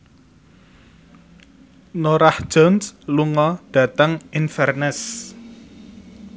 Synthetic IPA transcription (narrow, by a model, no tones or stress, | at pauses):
noɾahʒ̥ɔnsluŋɔɖ̥ä̤t̪əŋinfɛrnɛs